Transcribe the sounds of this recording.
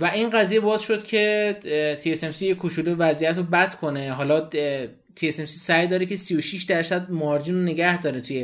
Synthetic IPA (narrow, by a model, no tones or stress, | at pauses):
væʔinɢæzije̞bɒːzʃo̞d̪̥cʲʰe̞t̪ʰiese̞msijekʰoʃʰuːlevæzijæt̪ɾobæt̪kʰo̞ne̞ɦɒːlɒ | t̪ʰiese̞msisæjd̪ɒːɾecʰe̞sijoʃiʃd̪æɾsæd̪̚mɒːɾd͡ʒinone̞ɡæhd̪ɒːɾet̪ʰuje